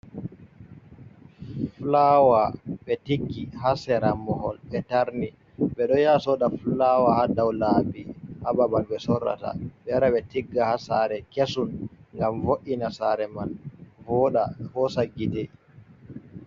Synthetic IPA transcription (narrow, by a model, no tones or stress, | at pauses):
flawaɓɛtiɡːiɦasɛɾamːɔhɔlɓɛtaɾni | ɓɛɗɔjasɔɗaflawahadawlabihababalɓɛsɔrːa̰ta̰ɓɛɾaɓɛtiɡːahasaɾɛkesunŋɡamvoʔinasaɾɛmanvɔːɗafɔsaɡːitɛ